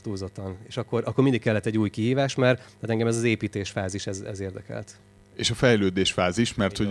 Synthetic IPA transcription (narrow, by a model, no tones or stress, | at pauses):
t̪uːzo̞t̪ːɒneːʃɒkːo̞rʔɒkːo̞rmind̪ikɛlːɛt̪ːɛɟːuːjkiɦiːvaːʃmɛraːt̪ɛŋɡɛmɛzɒzeːpiːt̪eːʃfaːziʃɛzɛ̰zeːrd̪ɛkɛ̰lt̪ | eːʃɒfɛjløːd̪eːʃfaːziʃmɛrt̪ho